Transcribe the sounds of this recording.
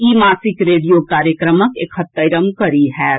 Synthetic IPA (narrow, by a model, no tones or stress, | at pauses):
imaːsikɾeɖijokaɾjəkɾəməkekʰhət̪ːəɾəmkəɾiɦɛ